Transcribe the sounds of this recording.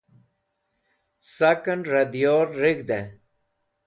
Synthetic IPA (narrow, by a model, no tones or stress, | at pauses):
sɐkənɾɐd̪ijoːɾːiɡd̪ẽ